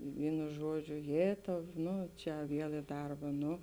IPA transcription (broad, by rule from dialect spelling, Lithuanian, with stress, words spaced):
ˈʋʲiːnʊ ˈʒuɔˌd͡ʒʲʊ ˈjeːtɐʊ ˈnʊ t͡ʃʲɛ ˈʋʲiɛlˠ ɪ ˈdɐrbɐ ˈnʊ